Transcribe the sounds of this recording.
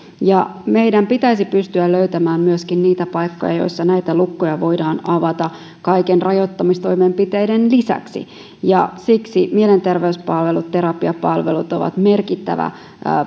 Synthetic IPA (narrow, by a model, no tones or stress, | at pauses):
jɑme̞jdæmpit̪æisipyst̪yælløyt̪æmæːmmyøskinniːt̪æpɑjkːo̞̰jɑ̰jo̞̰isːɑnæjt̪ælukːojɑʋo̞jdɑːnɑʋɑt̪ɑ | kɑikenrɑjot̪ːɑmist̪o̞ijmempit̪e̞jdenlisæ̰ksḭ | jɑsiksimiele̞nt̪e̞rʋeyspɑlʋe̞lut̪t̪eɾɑpiɑpɑlʋḛlut̪o̞ʋɑ̰t̪merkit̪ːæ̰ʋæ̰